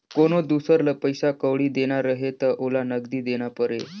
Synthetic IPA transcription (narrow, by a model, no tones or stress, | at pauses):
koɽ̃od̪usəɾləpəjsakəʋɽiːd̪eɽ̃aɾəɦet̪əʔolanəɡd̪iːd̪eɽ̃apəɾe